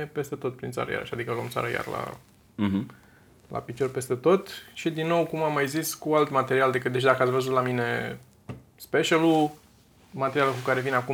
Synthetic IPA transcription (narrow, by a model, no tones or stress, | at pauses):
epe̞st̪e̞t̪o̞t̪̚pɾint̪sa̰ɾə̰ja̰ɾʃad̪ikəalo̰mt̪sa̰ɾəja̰rla̰ | la̰pit͡ʃo̞rpe̞st̪e̞t̪o̞t̪ʃid̪inːo̞wkumamːajziskualt̪mat̪e̞ɾiald̪ekɨt̪̚d̪et͡ʃd̪akəat̪svəzut̪lamine̞ | speʃalu | mat̪eɾialəkukaɾe̞vineaku